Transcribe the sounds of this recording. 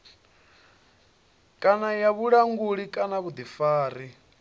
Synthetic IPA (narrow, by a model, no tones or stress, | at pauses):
kʼanajaβuɺaŋɡuɺikʼanaβud̪ifaːɾi